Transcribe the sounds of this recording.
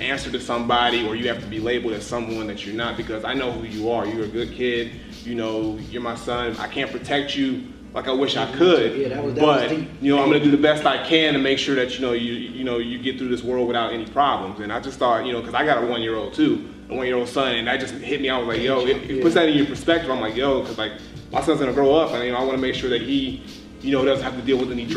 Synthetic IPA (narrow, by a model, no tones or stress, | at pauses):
æ̃nsə˞ɾɨsʌ̃mbɑɾiə˞jɨhæftəbileɪbl̩ˠɾɨz̥sʌ̃mwʌ̃nðɨt͡ʃə˞nət̚b̥ɨkʰʌzaɪnoʊhʉjɨə˞jɨ˞ɨɡʊd̚kʰɪd̥̚ | jɨnoʊjə˞maɪsʌ̃na̰ɪkʰæ̃npʰɹ̥ɨtʰɛk̚t͡ʃɨ | la̰ɪkaɪwɪʃaɪkʰəd̚b̥ʌt̚jɨnoʊãɪ̃mɡʌ̃nɨdɨðɨbɛstaɪkʰɨ̃nɨ̃nmeɪkʃʊɹðɨt͡ʃɨnoʊjɨjɨnoʊjɨɡɛt̪̚θɹʉðɪswɜ˞lˠd̚wɨθaʊɾɛnipʰɹ̥ɑblə̃mzɨ̃naɪd͡ʒʌstθɔɹt̚jɨnoʊkʰʌzaɪɡɑɾəwʌ̃njɪɹoʊlˠd̥̚tʰʉ | əwʌ̃njɪɹoʊlˠd̥sʌ̃nɨ̃nɨt̚d͡ʒ̥ʌsthɪt̚miaɪwʌzlaɪkjoʊɪpʊtsðɨɾɨ̃njə˞pʰə˞spɛk̚tɨvãɪ̃mlaɪkjoʊkʰʌzlaɪk̚ | mʔaɪsʌ̃nzɡʌnɨɡɹoʊʌpɨ̃njɨoʊaɪwɑnəmeɪkʃʊɹðɨt̚ɦi | jɨnoʊdɾʌzɨ̃n̩thæftɨdilˠwɨðɨ̃ni